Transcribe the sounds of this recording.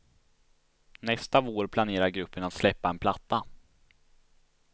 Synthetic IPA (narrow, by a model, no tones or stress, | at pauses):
nɛst̪avoːɾpʰlaneːɾaɾɡɾɵpːəɳat̪slɛpːaɛnpʰlat̪ːa